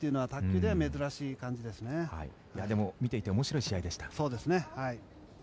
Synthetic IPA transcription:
t̪eiɯ̟no̞at̪akʲːɨːd̪e̞ame̞zɨɾaɕiːkãɲ̟d͡ʑid̪e̞sɨne̞ha̰i | jad̪e̞momʲit̪e̞it̪e̞omo̞ɕiɾoiɕiaid̪e̞ɕi̥t̪ḁso̞ːd̪e̞sɨne̞hai

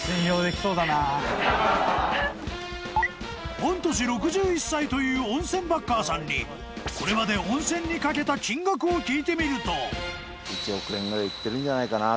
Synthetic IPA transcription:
ẽnɾʲo̞ːd̪e̞kʲi̥soːd̪anaː | hõ̞nt̪o̞ɕ̬iɾo̞kɯ̟ʑɨːisːait̪o̞jɯ̟ːõ̞ɰ̃sẽ̞mbakːaːsãɲ̟ːi | ko̞ɾe̞mad̪e̞õ̞ɰ̃sẽ̞ɲ̟ːikake̞t̪at͡ɕĩŋɡakɯ̟okʲiːt̪e̞mʲiɾɯ̟t̪o̞ | it͡ɕiokɯẽŋɡɯ̟ɾait̪ːe̞ɾɯ̟̃nd͡ʑanaikana

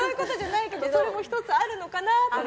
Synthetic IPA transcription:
ojɯ̟ko̞t̪o̞ʑanaike̞d̪o̞soɾemo̞çʲi̥t̪o̞t͡sɨaɾɯ̟no̞kanat̪o

